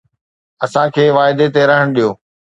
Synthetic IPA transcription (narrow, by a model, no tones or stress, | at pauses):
ɐsãkʰeːʋaːɪd̪et̪eɾɐɦəɽ̃ɗijoː